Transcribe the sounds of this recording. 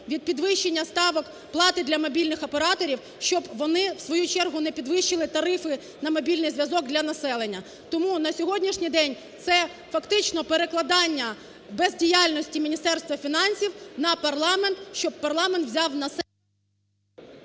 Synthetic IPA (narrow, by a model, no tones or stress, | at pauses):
ʋʲid̪̚pʲid̪ʋɪʃt͡ʃːenʲːɐst̪ɑʋɔk | plˠɑt̪ɪd̪lʲɐmɔbʲilʲnɪxɐpeɾɑt̪ɔɾʲiw | ʃt͡ʃɔbʋɔnɪwsʋɔjut͡ʃɛrɦʊnɛpʲid̪ʋɪʃɪlˠɪt̪ɐɾɪfɪ | nɐmɔbʲilʲnɪjzʋʲjɐzɔɡ̚d̪lʲɐnɐsɛlˠenʲːɐ | t̪ɔmunɐsʲɔɦɔdʲnʲiʃnʲijd̪ɛnʲ | t̪sɛ | fɐkt̪ɪt͡ʃnɔpeɾeklˠɐd̪ɑnʲːɐ | bɛzdʲijalʲnɔsʲtʲimʲinʲist̪ɛrst̪ʋɐfʲinɑnʲsʲiwnɐpɐrlˠɑment̪ʃt͡ʃɔb̚pɐrlˠɑment̪wzʲɑwnɐs